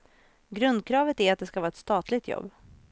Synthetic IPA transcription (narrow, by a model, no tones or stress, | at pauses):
ɡɾɵnd̪̚kʰɾɑːvət̪æɾat̪̚d̪ɛskavɑːɛt̪st̪ɑːt̪lɪɡt̪ʰjɔ̰bː